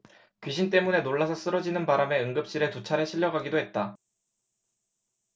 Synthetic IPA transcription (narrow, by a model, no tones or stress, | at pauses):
kɥiɕ̬ʰint̬͈e̞mune̞noɭːasʰʌs͈ɯɾʌd͡ʑinɯnpaɾame̞ɯŋɡɯp̚ɕ͈iɾe̞tut͡ɕʰaɾeɕʰiʎːʌɡaɡidoɦe̞t̚t͈a